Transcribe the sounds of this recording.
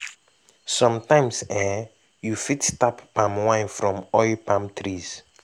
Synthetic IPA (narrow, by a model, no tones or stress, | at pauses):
sɔ̃mtãɪ̃msɛ | jufitstappãmwãɪ̃nfɹɔ̃mɔɪlpʰãmtʰɹiz̥